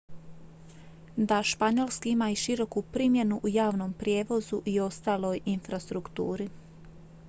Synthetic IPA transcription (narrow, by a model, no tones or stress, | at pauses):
d̪aʃpaɲo̞lˠskiimaiʃiɾo̞kupɾimje̞nuʔujaːʋno̞mpɾje̞ːʋo̞zuʔio̞st̪aːlo̞jinfɾast̪ɾukt̪uːɾi